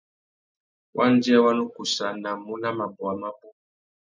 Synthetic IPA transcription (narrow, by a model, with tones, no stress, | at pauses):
wʔa˦n˦d͡ʒa˦wa˦no˦ku˨sa˨na˨mu˦na˦ma˨bɔ˨a˨ma˦bu˦